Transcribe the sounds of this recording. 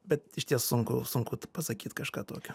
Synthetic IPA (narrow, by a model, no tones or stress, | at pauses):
bʲɛt̪ɪʃʲt̪ʲiɛssʊŋkʊsʊŋkʊt̪pɐsɐkʲiːt̪kɐʃkɑːt̪oːkʲʊ